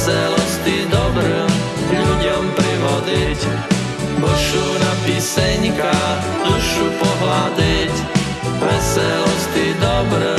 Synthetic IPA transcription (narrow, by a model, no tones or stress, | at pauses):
sɛlɔst̪id̪ɔbɾə | ɡʎuɟɔmpɾiʋɔd̪ic | pɔʃunapiːsɛɲka | nuʃupɔɦlad̪ic | ʋɛsɛlɔst̪id̪ɔbɾ